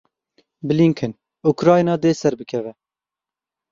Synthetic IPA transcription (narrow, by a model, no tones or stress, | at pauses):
bɨliŋkʰɨn | ukɾɑːjnɑːd̪eːsɛɾbɨkʰɛvɛ